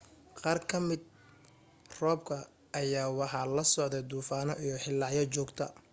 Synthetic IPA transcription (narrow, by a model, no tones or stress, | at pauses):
qɑːrkʰɐmɪd̪̚ | rɔːb̚kʰɐ | ʔɐjaːwɑħɑlɐsɔʕd̪ɛd̪uːfaːnɔʔijɔħɪlːɑʕjɐt͡ʃɔːɡt̪ʰɐ̰